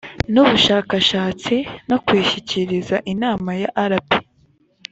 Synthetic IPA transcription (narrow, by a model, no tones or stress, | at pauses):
nuβuʃaːkaʃaːt͡sinokwiːʃiciɾizaʔinaːmajaʔaɾapi̥